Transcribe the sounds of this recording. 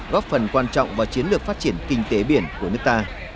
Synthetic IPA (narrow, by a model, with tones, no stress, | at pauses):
ɣɔ˦˥p̚fə˨˩nkwaː˧nt͡ɕɔ̰˧˨wŋ͡mvaː˨˩t͡ɕi˨˦ənlɨ˨˩ək̚faː˦˥t̚t͡ɕi˧˩ənkï˧ŋ̟t̪e˨˦ɓi˧˩ənku˧˩ənɨ˦˥k̚t̪aː˧